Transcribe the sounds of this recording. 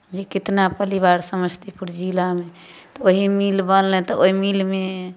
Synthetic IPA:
d͡ʒekit̪napəlibaɾsəməst̪ipuɾd͡ʒilame | t̪ɔoɦimilbənlɛ̃t̪ɔoɦimilme

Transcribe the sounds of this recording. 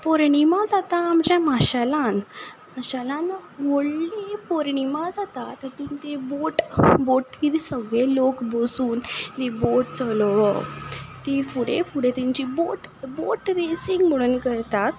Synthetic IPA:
pɔɾɳimad͡zat̪aːmt͡ɕjãmaɕalãnmaɕalãnʋoɽlipɔɾɳimad͡zat̪at̪akint̪eboʈboʈːiːɾsəɡɭelokbosuːnt̪eboʈ̚t͡səlʋət̪iːɾfuɽefuɽet̪ĩɲt͡ɕiboʈboʈɾesiŋɡm̤əɽuːnkəɾt̪at̪

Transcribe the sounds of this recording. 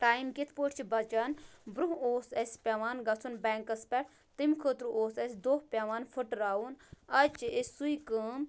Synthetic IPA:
ʈaːjmkit̪ʰpoːʈʰʲt͡ʃʰibɐt͡ʃɐnbɾuɦoːsɐsʲpʲeʋaːnɡɐt͡sʰunbɛːŋkɐspʲɛʈʰ | t̪imkʰəːt̪ɾuoːsɐsʲd̪oːhpʲɐʋaːnfʰuʈɾaːunɐt͡ʃiesʲsujkəːm

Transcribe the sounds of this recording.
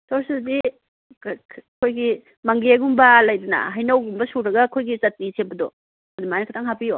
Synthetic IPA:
tʰɔɾsiddi | kʰojɡi | maŋɡeɡumbɐlajdunɐ̰ɦajnawɡumbɐsuɾɐɡɐkʰojɡit͡ʃɐt̚ːisʰembɐdɔ̰ | ɐdumajnɐkʰatʰaŋhapijo

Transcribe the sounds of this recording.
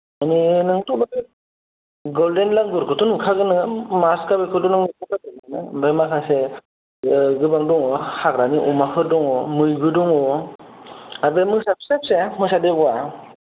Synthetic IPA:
aninɯŋtuk̚dɔbi | ɡɔldenlaŋɡɯɾkʰɯtunukʰaɡɯnɯmaskabekʰɯdunɯŋmɯakʰatɯnɯnɯbajmakʰase | ɡɯbaŋdɔŋɔhaɡɾaniʔɔmakʰɯɾdɔŋɔmɯjbɯdɔŋɔ | abemɯsapsap̚semɯsadeɡwa

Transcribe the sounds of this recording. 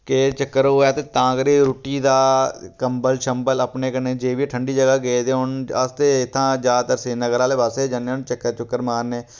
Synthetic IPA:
ket͡ʃəkːəɾɦoːaːt̪eːt̪ãːkəɾiːɾuːʈiːd̪aːkəmbəlʃəmbələpneːkəɾneːd͡ʒeːʋiːʈʰəɳɖiːd͡ʒəɡaːɡeːd̪eːɦʊnəst̪eːɪt̪ʰːãːd͡ʒaːd̪t̪əɾseːnəɡəɾãːleːbaːseːd͡ʒənːeːɦʊnt͡ʃəkːəɾt͡ʃʊkːəɾmaːɾneː

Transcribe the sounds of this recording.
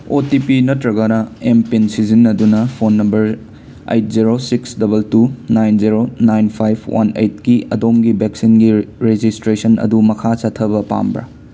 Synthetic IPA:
otipinɐtɾɐɡɐnɐempinsizinːɐdunɐpʰonːɐmbɐɾ | ḛjt̚ziɾosiksdɐbɐltunajnziɾonajnpʰajbʰwa̰nḛjt̚kiʔɐ̰domɡibʱeksinɡiɾed͡ʒistɾesɐnɐ̰dumɐkʰasatʰːɐβɐpa̰mbɾɐ̰

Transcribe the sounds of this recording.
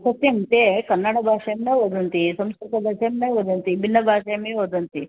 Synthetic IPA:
sɐt̪jɐmt̪ekɐnːaɽɐbʱaːʂɐjɐmnɐʋod̪ʱɐnt̪isɐmskɾut̪ɐbʱaːʂɐjɐmnɐjʋod̪ʱɐnt̪ibʱinːɐbʱaːʂɐjɐmeʋod̪ɐnt̪i

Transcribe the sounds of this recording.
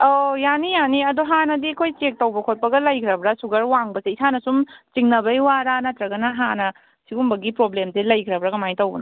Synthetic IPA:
ojanijaniɐdoɦanɐdikʰojt͡ʃek̚tɐwbɐkʰot̚pɐɡɐlɐjkʰɾɐbɾasuɡɐɾwaŋbɐseisanɐsumt͡ʃiŋnɐbɐjwaɾanɐtɾɐɡɐnɐɦanɐ | siɡumbɐɡipɾoblemselɐjkʰɾɐbɾakɐmajtɐwbɐ̰n

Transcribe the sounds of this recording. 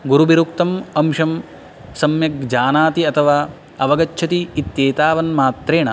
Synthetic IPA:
ɡuɾubiɾukt̪ɐmɐmʃɐm | sɐmjɐk̚d͡ʒaːnaːt̪iɐt̪ʰɐʋaː | ɐʋɐɡɐt͡ʃːt͡ʃʰɐt̪iːt̪jeːt̪aːʋɐnmaːt̪ɾeːɳɐ

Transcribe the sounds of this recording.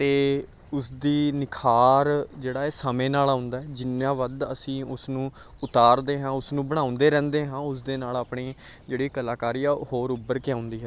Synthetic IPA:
t̪eː | ʊsd̪iːnɪkʰaːɾd͡ʒeːɽaːeːsaːmẽːnaːlaːʊnd̪aːɦɛːd͡ʒɪnãːʋəd̪ə̰sĩːʊsnũː | ʊt̪aːɾd̪eːɦãːʊsnũːbəɽ̃ãːʊ̃nd̪eːɾɛ̃ːnd̪eːɦãːʊs̬d̪eːnaːlaːpɳiː | d͡ʒeːɽiːkəlaːkaːɾijaːhoːɾʊbːəɾkɪãːʊ̃nd̪iːɦɛː

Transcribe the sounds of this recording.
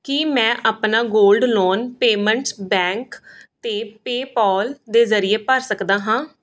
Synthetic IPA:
kimɛ̃ːʔaːpnaːɡoːlɖloːnpeːmə̃ɳʈsbɛ̃ːŋkt̪eːpeːpɔːld̪eːzəɾɪeːpəɾsəkd̪aːɦãː

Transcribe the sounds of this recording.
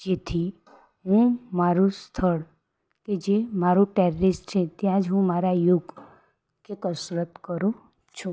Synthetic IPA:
d͡ʒet̪ʰi | ɦũmaɾust̪ʰəɭ | ked͡ʒemaɾuʈɛɾɾɪsʈt͡ʃʰet̪jãd͡ʒɦũmaɾajuɡ | kekəsɾət̪kəɾo | t͡ʃʰũ

